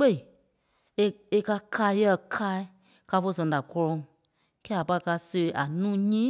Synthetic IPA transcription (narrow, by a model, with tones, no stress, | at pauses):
k͡pe˦i˨ | e˧e˧ka˧kʰaː˧˦jɛ˦˧˨kʰaː˦i˦ | ka˧fo˧˦sɛ̃˨a˨kɔ˧lɔ̃˧˨ŋ | kɛ˦˨a˨pa˧˨˧ka˧se˧e˧ʔa˨nũː˦ɲĩː˦